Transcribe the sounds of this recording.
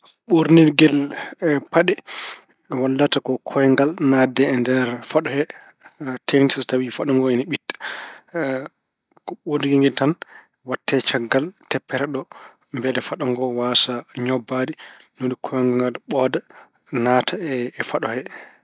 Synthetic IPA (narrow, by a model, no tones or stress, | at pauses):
ɓoɾniɾɡɛlpaɗɛ | walːatakɔkʰɔjɛŋɡalnadɛːndɛɾfaɗɔhɛ | tentisɔtawifaɗɔŋɡɔɛniɓitːḁ | kɔɓoɾniɡiŋɡɛtan | watːɛt͡ʃaɡːaltɛpːɛɾɛɗɔ | mbɛdɛfaɗɔŋɡɔwasaɲɔbːadinonikʰɔjŋɡaŋɡalɓɔda | natʰaɛːfaɗɔhɛ